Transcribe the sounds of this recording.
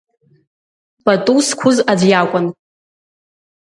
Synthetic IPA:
pʼatʼuskʷʰʊzad͡zjakʷʼʊn

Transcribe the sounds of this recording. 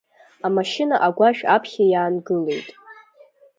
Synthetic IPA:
amaʃɪnaʔaɡʷaʃᶣapʰχʲajaːnɡɨle̞jtʼ

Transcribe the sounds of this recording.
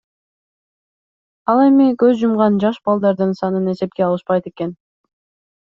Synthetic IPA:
ɑlˠe̞mikøzd͡ʒumʁɑnd͡ʒɑʃbɑlˠd̪ɑɾd̪ɯnsɑnɯne̞se̞p̚keɑlˠɯʃpɑjt̪e̞ke̞n

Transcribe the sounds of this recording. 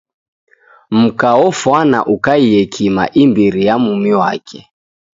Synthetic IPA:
m̩kaɔfwana̰ʔukaiɛkʰima̰ʔimbiɾijamumiwakʰɛ

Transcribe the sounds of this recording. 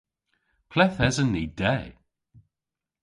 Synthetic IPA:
pʰlɛθɛzənːiːdɛ

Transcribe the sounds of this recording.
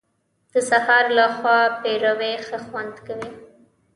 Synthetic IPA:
d̪̥əsahɑɾlaxwɑpeɾawexəxwand̪kawi

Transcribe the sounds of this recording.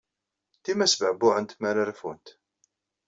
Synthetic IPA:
t̪imæsvəʕbʊʕənt̪mæɾəɾfunt̪

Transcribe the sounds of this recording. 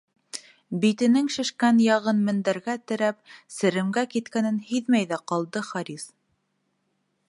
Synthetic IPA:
bit̪ɘ̆nɘŋʃɘ̆ʃkænjɑʁɤnmɘ̆nd̪æɾɡæt̪ɘ̆ɾæp̚sɘ̆ɾɘ̆mɡækit̪̚kænɘnhiðmæjðæqɑlˠd̪ɤχɑɾis

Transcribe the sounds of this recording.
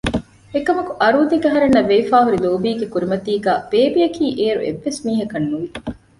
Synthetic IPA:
ekɐmɐkuʔɐɾuːd̪iɡɐɦɐɾenːɐʋeːfaːɦuɾiloːbiːɡekuɾimɐt̪iːɡæːb̥eːbijɐkiːʔeːɾṵʔḛʋːesmiːɦɐkɐnːuʋi

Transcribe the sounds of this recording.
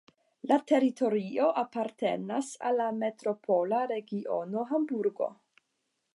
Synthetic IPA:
late̞ɾitʰo̞ɾio̞ʔapaɾte̞̰na̰sa̰lame̞tɾo̞pʰo̞laɾe̞ɡiʔono̞ɦambuɾɡo̞̰

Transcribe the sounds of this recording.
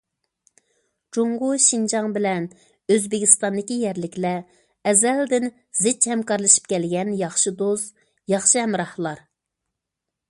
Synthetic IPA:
d͡ʒoɴʁʊʃind͡ʒɑŋbɪlɛn | øzbɪkʲist̪ɑnd̪ɪkʲijɛɾlɪkʲlɛ | ɛzɛld̪ɪn | zɪt͡ʃhɛmkɑɾlˠɨʃi̥p̚kʲɛlɡʲɛnjɑχʃɨd̪oz | jɑχʃɨɦɛmɾɑhlˠɑɾ

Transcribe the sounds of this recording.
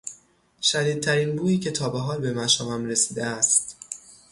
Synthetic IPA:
ʃæd̪iːd̪̚t̪ʰæɾiːnbuːiːcʰe̞t̪ʰɒːbeɦɒːlbe̞mæʃɒːvæmɾe̞siːd̪eæst̪

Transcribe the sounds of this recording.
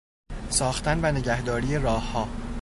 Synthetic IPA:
sɒːxt̪ænvæne̞ɟæhd̪ɒːɾijeɾɒːhːɒː

